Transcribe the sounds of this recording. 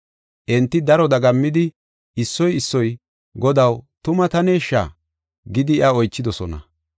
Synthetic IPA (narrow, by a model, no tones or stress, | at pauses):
ʔɛnt̪ːɪd̪ɐɾɔd̪ɐɡɐmːɪd̪ɪ | ɪsːɔjɪsːɔj | ɡɔd̪ɐwt̪ʊmɐt̪ɐneːʃːa̰ː | ɡɪd̪ɪɪɐɔjt͡ʃːɪd̪ɔsɔnɐ̰